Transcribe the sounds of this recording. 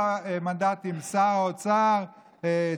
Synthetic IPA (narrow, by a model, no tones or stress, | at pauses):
emand̪at̪imsaʁot͡saʁ | e